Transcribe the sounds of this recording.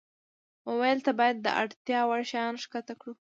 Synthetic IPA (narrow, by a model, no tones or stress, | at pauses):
owajlt̪abɑjad̪ːə̰ʔa̰ɽt̪jɑwaɽʃɑnʂkat̪akɽu